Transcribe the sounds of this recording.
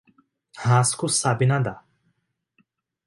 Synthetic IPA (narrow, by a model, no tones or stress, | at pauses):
hãskusabinad̪a